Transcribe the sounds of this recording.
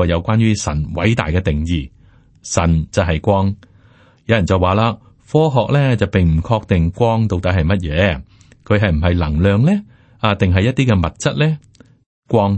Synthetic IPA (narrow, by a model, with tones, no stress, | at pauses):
jɐ˨˧wkʷaː˥njyː˥sɐ̰˨˩nwɐ̰˨˥jt̪a̰ː˨jkɛː˧t̪ɪ˨ŋjiː˨˩ | sɐ˨˩nt͡sɐ˨wɦɐ˨jkʷɔː˥ŋ | jɐ˨˧wjɐ˨nt͡sɐ˨waː˨˩laː˧ | fɔː˥ɦɔː˨k̚lɛː˥t͡sɐ˨wpɪ˨ŋm̩˨˩kʰɔː˧k̚t̪ɪ˨ŋkʷɔː˥ŋt̪o˨˧wt̪ɐ˨˧˥ɦɐ˨jmɐ˥t̚jɛː˨˧ | kʰɵ˨˧ɥɦɐ˨jm̩˨˩ɦɐ˨jlɐ˨˩ŋlœː˨˧ŋlɛː˥ | aː˨˧t̪ɪ˨ŋɦɐ˨jɐ˥t̚t̪iː˥kɛ˧mɐ˨t̚t͡sɐ˥t̚lɛː˥ | kʷɔː˧˥ŋ